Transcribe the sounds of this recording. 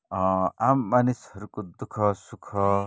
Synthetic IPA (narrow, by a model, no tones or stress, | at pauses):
ɔ̃amːanishɔɾukud̪ukʰɔsukʰɔ